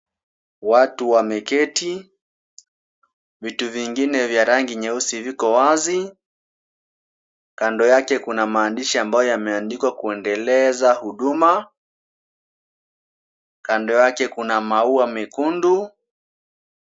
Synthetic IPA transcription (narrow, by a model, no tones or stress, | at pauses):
watuwamɛkɛtʰi | vituviŋɡinɛvjaɾaŋɡiɲɛusivikɔwazi | kandɔjakɛkunamaːndiʃiambajɔjamɛandikwakuɛndɛlɛzahuɗuma | kandɔjakɛkunamauamɛkundu